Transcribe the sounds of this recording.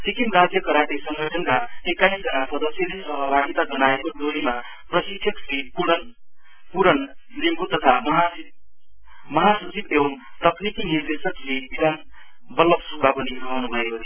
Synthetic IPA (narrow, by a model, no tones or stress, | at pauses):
sikimɾad͡zjʌkʌɾaʈisʌŋɡʌt͡sʌnkaekaisd͡zʌnasʌd̪ʌsjʌdesʌɦʌbʱaɡit̪ad͡zʌnaekod͡zoɾima | prʌsiksʰʌksipuʌn | puɾʌnnimbut̪ʌt̪ʰamɦa | mʌɦasʌt͡sibewʌnt̪ʌknikiɦiɾd̪esʌksibid̪ʱan | bʌlʌbsubʱapʌniɾʌɦnubʱʌekot̪ʰi